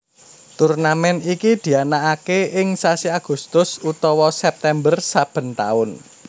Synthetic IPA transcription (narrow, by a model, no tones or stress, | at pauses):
t̪urnamɛnikid̪̥i̤anaakeʔɪŋsasiaɡ̥ṳst̪ʊsut̪ɔwɔsɛp̚t̪ɛmbərsab̥ə̤nt̪a̰ʊn